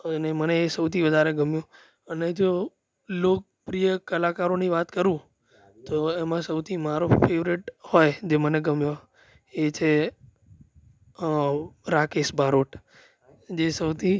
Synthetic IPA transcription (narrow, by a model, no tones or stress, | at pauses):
əneməneːsəwt̪ʰiʋəd̪ʱaɾeɡəmjũ | əned͡ʒo | lok̚pɾijəkəlakaɾoniʋat̪kəɾũ | t̪oemãsəwt̪ʰimaɾofʰeʋɾiʈhojd͡ʒeməneɡəmjo | et͡ʃʰe | ɾakeʃbʱaɾoʈ | d͡ʒesəwt̪ʰi